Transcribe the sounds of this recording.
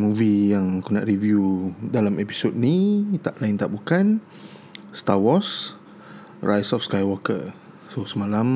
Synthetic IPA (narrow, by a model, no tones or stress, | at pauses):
muvijaŋkuna̰ʔɾivjudalamepi̥sot̚nit̪aʔlaɪnt̪aʔbukan | st̪awɔs | rajsɔfskajwɔkə̰ | sosəmalam